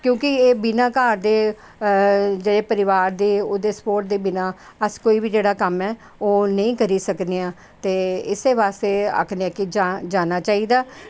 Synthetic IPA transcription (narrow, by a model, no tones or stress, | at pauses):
kjõːkɪeːbɪnãːkaːɾd̪eː | d͡ʒeːɽeːpəɾɪʋaːɾd̪eːoːd̪eːspoːɾʈ̚d̪eːbɪnãːəskoːiːbiːd͡ʒeːɽaːkəmɛː | oːnəĩːkəɾiːsəkd̪eːãː | t̪eːɪsd̪eːʋaːst̪eːa̰kʰneəkid͡ʒad͡ʒaːnaːt͡ʃaːiːd̪aː